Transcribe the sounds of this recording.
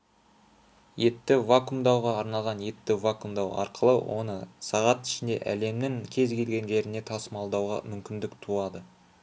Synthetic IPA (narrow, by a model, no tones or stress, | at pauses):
je̞t̪ːɪvakumd̪ɑwʁɑːɾnɑlˠʁɑnje̞t̪ːɪvakumd̪ɑwɑ̰ɾqəlˠə̰wʔo̞̰nəsɑʁɑt̪ɪ̥ʃɪnd̪e̞̰ʔæ̰le̞mnɪŋkʲʰe̞zɡʲe̞lɡʲe̞nʒe̞ɾɪne̞t̪ʰɑsəmɑlˠd̪ɑwʁɑ̰mʏmkʲɪnd̪ɪkt̪ʰuɑd̪ə